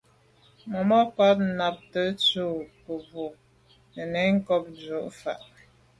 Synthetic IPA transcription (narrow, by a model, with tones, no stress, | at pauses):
mɔ˨mɔ˦pa˦t̚na˨p̚tə˦t͡su˦˨pə˨bo˨ | nə˨nɛ˨˦ŋ̩˦kɔ˦p̚d͡ʒo˦ʔfa̰˨ʔ